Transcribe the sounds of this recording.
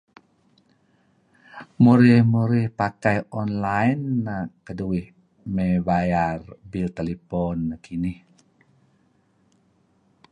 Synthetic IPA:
muɾihmuɾihpakajɔnlajnːakːəduih | mebajarbilt̪elipɔnkʰinih

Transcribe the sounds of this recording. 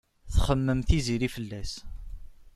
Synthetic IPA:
θχəmːəmθiziɾifəlːæs

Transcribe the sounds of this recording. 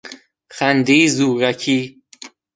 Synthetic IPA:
xænd̪iːzuːɾækʰiː

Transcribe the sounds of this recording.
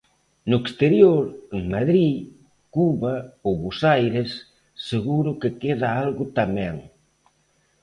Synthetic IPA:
nʊekst̪eɾjoɾeŋmaðɾi | kuβaowβosajɾesː | eɣuɾʊkɪkeðaalɣʊt̪amɛ̃ŋ

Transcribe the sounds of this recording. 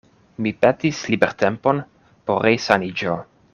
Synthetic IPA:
mipet̪islibeɾt̪empo̞n | poɾejsanid͡ʒo

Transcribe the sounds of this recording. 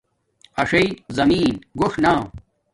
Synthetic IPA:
ɐʂɐjzɐmiːnɡoʂnaː

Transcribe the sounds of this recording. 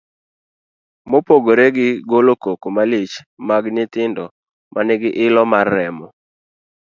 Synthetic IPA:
mopoɡoɾeɡɪɡolokokomalet͡ʃ | maɡnɪtɪndɔ | mʔanɛɡɪʔɪlɔmarːɛmɔ

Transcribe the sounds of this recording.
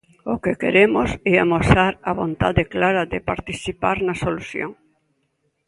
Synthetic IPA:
okekḛɾemosɛamosaɾɐβont̪aðeklaɾɐðɪpaɾt̪iθipaɾnɐsoluθjo̰ŋ

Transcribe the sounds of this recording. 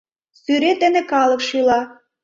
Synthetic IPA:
syɾet̪ɘ̆nĕkɑlˠɤ̆kʃilɑ

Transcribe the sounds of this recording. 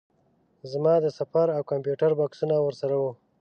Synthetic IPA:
zmɑd̪əsafaɾawkampjuʈaɾbaksunawəɾsaɾawu

